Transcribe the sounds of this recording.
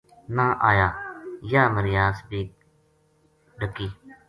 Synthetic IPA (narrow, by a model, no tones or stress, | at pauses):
nãːʔaːjaːjaːməɾɪjaːsbiː | ɖəkiː